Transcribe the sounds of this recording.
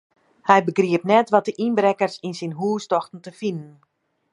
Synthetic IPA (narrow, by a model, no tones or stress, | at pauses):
hɛjbəɡriəpnɛtʋɔt̚dəʔinbrɛkərsinsinɦuːstɔxtn̩təfinən̩